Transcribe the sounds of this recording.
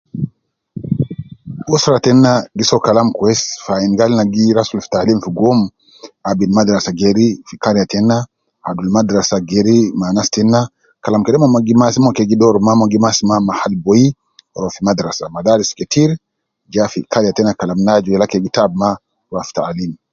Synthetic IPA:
ʔusɾatɛnːaɡisɔkalamkwɛsfainɡalnaɡiɾasulftalimfiɡɔm | abilmad̪ɾasaɡeɾifikaɾjatɛnːa | adulmad̪ɾasaɡeɾimanastɛnːa | kalamkɛɗɛmɔmaɡimasimɔkeɡidɔɾmamoɡimasimamahalboji | ɔɾɔfimad̪ɾasamad̪aɾiskɛtiɾ | d͡ʒafikaɾjatɛnakalamnad͡ʒujɛlakeɡitabma | waftalim

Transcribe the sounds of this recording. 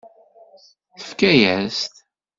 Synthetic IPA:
θə̥fkæjæst̪

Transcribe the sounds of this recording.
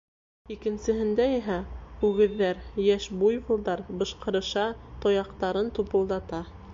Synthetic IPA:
ikɘ̆nsɘ̆ɦɘ̆nd̪æiɦæʉɡɘ̆ðːæɾjæʃbujβɤ̆lˠd̪ɑɾbɤ̆ʃqɤ̆ɾɤ̆ʃɑt̪ŏjɑqt̪ɑɾɤnt̪upɤ̆lˠd̪ɑt̪ɑ

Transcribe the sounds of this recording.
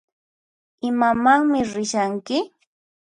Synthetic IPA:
ɪmamaŋmɪɾɪʃaŋkɪ

